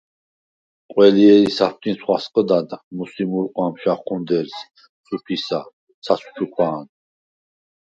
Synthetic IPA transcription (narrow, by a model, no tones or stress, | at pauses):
qʼwɛliɛɾisap̚ʰt̪ʰʼinsχwasqʼəd̪ad̪musimuɾqʼwamʃaχχʰund̪ɛɾs | supʰisa | sʰasu̥t͡ʃʰukʰwaːn